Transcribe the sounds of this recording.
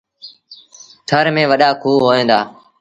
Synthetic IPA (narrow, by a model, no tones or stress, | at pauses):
t̪ʰəɾmẽːʋəɗaːkʰuːɦoːẽːd̪aː